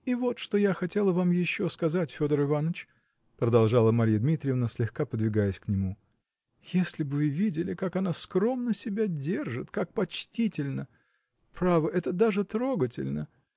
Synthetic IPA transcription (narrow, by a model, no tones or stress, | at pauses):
ivo̞t̪ʂt̪o̞jaxɐtʲe̞lˠəvamjɪɕːo̞skɐzatʲfʲo̞d̪əɾɨvanət͡ɕ | pɾəd̪ɐlˠʐalˠəmɐɾʲijəd̪mʲit̪ɾʲɪjəvnasʲlʲɪxkapəd̪vʲɪɡajəsʲknʲɪmu | jesʲlʲɪbvɨvʲidʲɪlʲɪkakɐnaskɾo̞mnəsʲɪbʲadʲerʐɨt̪kak̚pɐt͡ɕtʲitʲɪlʲnə | pɾavəʔɛt̪əd̪aʐɨt̪ɾo̞ɡətʲɪ̰lʲnə